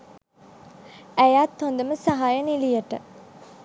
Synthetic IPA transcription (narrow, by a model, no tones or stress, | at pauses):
æjaːt̪ːond̪ɐməsɐɦaːjɐnilijɐʈɐ